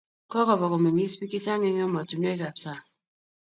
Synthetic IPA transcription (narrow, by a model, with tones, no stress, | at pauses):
kɔ˦kɔ˨βɔ˨kɔ˨me˨ŋi˦spi˦ki˦ta˦ŋe˦ŋ˦ɔ˦mɔ˨tu˨n˦e˦ka˨p̚sa˦˨